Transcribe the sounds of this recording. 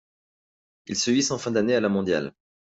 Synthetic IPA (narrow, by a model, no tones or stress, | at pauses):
ilsəɥisɑ̃fɛ̃d̪anealamɔ̃d̪ja̰l